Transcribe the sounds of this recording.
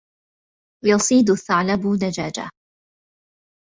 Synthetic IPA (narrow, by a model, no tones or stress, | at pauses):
jɑsˤiːd̪ʊθaʕlabʊnad͡ʒaːd͡ʒa̰